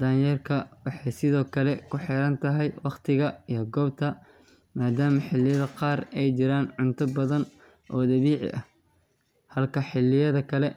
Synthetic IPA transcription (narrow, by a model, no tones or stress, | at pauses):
d̪aːjɛrkʰɐwɑħɑjsɪðɔːkʰɐlɛkʰʊħɪɾɐnt̪ʰɐɦɛjwɑqt̪ʰɪɣɐijɞɡɔːbt̪ʰɐ | maːd̪aːmɐħɪlɪjɐðɐqɑːrɛjt͡ʃɪɾaːnʕʊnt̪ʰɐbɐðɐn | ʔɔːd̪ɐβiːʕɪ̰ʔɐh | hɐlkʰɐħɪlːɪjɐðɐkʰɐlɛ